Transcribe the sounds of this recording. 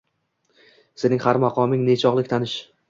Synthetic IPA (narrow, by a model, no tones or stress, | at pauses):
senɪŋhaɾmaqʰɒmɪŋnet͡ʃʰɒʁlˠɪkʲt̪ʰanɪʃ